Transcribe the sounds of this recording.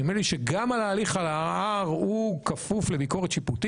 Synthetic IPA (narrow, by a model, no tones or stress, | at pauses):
emeliʃeɡamalaːliχalaaʁukafufle̞biko̞ʁet̪ʃiput̪i